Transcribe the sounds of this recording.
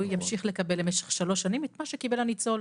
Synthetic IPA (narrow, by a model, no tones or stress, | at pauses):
ujjamʃiχle̞kabe̞lemeʃe̥χʃaloʃanimetmaʃekibe̞lanit͡so̞l